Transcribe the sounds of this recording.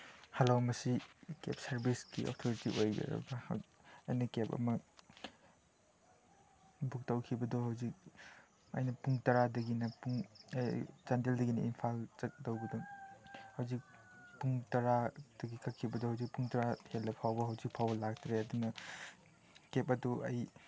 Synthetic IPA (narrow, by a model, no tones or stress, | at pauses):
hɐlomɐsikḛp̚sɐɾbiskiʔo̰k̚tʰoɾitiʔojbḛɾɐ̰bɐhɐjnɐkepɐ̰mɐ | buk̚tɐwkʰibɐdɔhawzik̚ | ɐ̰jnɐpuŋtɐɾadɐɡinɐpuŋjzanteldɐɡinɐinpʰalɐk̚tɐwbɐdɔ | hawzik̚ | puŋtɐɾad̥ɐɡikʰɐkʰːibɐdɔhawzik̚puŋtɐɾahelːɐpʰawbɐɦawzik̚pʰawbɐlak̚tʰɾeɐdunɐ | kep̚ɐduʔɐ̰j